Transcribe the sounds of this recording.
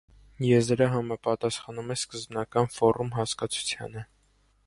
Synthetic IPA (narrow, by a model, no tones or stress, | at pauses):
jɛvd̪əɾɑɦɑmɑpɑt̪ɑsχɑnumɛskəzbnɑkɑnfɔɾumɦɑskɑt͡sʰu̥t͡sʰjɑ̰nə